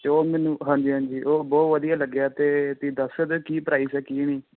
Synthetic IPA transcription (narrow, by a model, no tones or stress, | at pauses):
t͡ʃoːmɛːnũːɦãːɲd͡ʒiːɦãːnd͡ʒiːʔoːbɔːʋəd̪ijaːləɡjaːt̪eːt̪iːd̪əsed̪eːkiːpəɾaːiːsɛːkiːniː